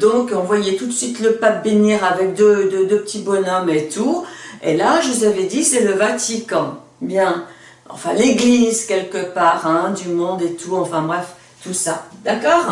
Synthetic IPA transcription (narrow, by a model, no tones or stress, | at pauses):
d̪ɔ̃kɔ̃vwajɛt̪ut̪sɥit̪ləpap̚beniʁavɛk̚d̪ød̪ød̪øpə̥t̪ʰibɔnœmet̪uḛlaʒəuzavɛd̪isɛləvat̪ikɑ̃ | bjɛ̃ | ɑ̰̃fɛ̃leɡlizkʲɛlkəpaːʁɛ̃d̪ymɔ̃d̪et̪uɑ̃fɛ̃bʁɛf | t̪usad̪akɔːʁ